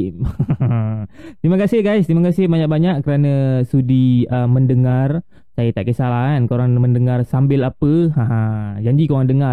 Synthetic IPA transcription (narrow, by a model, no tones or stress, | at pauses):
t̪ɾimakasɪhɡajst̪ɾimakasɪhbaɲak̚baɲaʔkəɾanəsudiəmːəndəŋar | sajət̪aʔkəsalaɦankoɾaŋməndəŋarsambɪlapəhãɦad͡ʒaɲd͡ʒikoɾaŋdəŋa